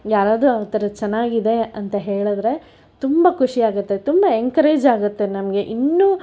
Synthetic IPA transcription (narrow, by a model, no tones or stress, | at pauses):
jaːɾaːd̪ɾuɐʋt̪ɐɾɐt͡ʃɐnːaːɡid̪e̞ɐnt̪ɐɦe̞ːɭud̪ɾe̞ | t̪umbɐkʰuʂijaːɡut̪ːe̞t̪umbɐeŋkɐɾeːd͡ʒaːɡut̪ːe̞nɐmɐɡe̞ʔinːuː